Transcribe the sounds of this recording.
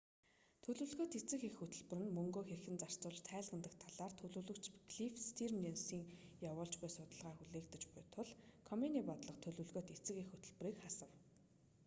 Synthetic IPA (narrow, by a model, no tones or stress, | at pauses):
t̪ʰɵɮɵ̆ɮɣoːt̪et͡sɘ̆xexɵt̪ɵ̆ɮpɵ̆rɘ̆nmɵŋɡoːxerxɘ̆nt͡sar̥t͡sʊːɮt͡ɕt̪ʰæːɮʁə̆nt̪ə̆kt̪ʰaɮaːrt̪ʰɵɮɵ̆ːɮɵ̆kt͡ɕɡɮifst̪ʰirmensiːŋjawʊːɬt͡ɕɡujsʊt̪ə̆ɮʁaːxuɮeːkt̪ɘ̆t͡ɕpʊjt̪ʰʊɮkʰɔmeniːpɔt̪ɮə̆qt̪ʰɵɮɵ̆ɮɣoːt̪it͡sɘ̆xexɵt̪ɵ̆ɮpɘ̆riːkχasə̆w